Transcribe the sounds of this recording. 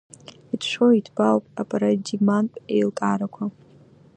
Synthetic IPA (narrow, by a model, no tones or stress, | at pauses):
itʰʃʷoitʰbawpʼapʼaɾad͡ʒiɡmanpʼḛjltʼaɾakʷʰa